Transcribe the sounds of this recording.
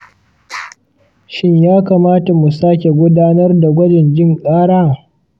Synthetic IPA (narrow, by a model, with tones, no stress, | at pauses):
ʃɪ˦ɲjaː˦kaː˨maː˦ta˨mu˨saː˦kʲe˨ɡʷʊ˦daː˦nɐ˦rda˨ɡʷɐ˦d͡ʒɛ˨nd͡ʒʲɪ˦ŋkʼaː˦ɽaː˦